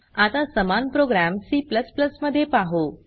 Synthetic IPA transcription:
at̪asəmanpɾoɡɾæmsipləspləsməd̪ʱːjepaɦo

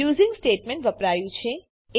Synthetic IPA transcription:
uzĩŋɡsʈeʈmẽɳʈʋəpɾajũt͡ʃʰe | e

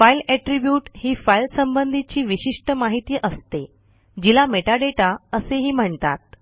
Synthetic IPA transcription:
failɛʈɾibjuːʈhiːfailsəmbənd̪ʱit͡ɕiːʋiɕiʂʈəmaɦit̪iːʔəst̪e | d͡ʑilameʈaɖeʈaəseɦiːm̤əɳt̪at̪̚

